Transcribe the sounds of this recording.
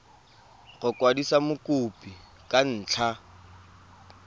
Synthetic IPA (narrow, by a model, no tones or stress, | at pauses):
ɣʊkwadisamʊkʼʊpʼi | kʼan̩ːt͡ɬʰa